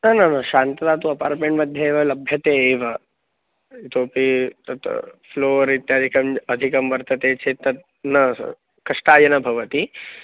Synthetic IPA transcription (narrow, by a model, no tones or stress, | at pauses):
nɐnɐnɐʃaːnt̪ɐt̪aːt̪uɐpaːɾʈmẽɳʈmɐd̪ʱjɐeːʋɐlɐbʱjɐt̪eːeːʋɐ | t̪oːpit̪ɐt̪floːɾit̪jaːd̪ʱikɐmɐd̪ʱikɐmʋɐɾt̪ɐt̪eːt͡ʃʰet̪ɐt̪̚ | nɐ | kɐʂʈaːjɐnɐbʱɐʋɐt̪i